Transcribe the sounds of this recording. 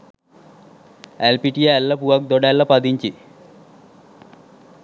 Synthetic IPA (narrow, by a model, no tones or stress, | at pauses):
elpiʈijeɛlːɐpuʋɐk̚d̪ɔɖalːɐpɐd̪iɲt͡ʃi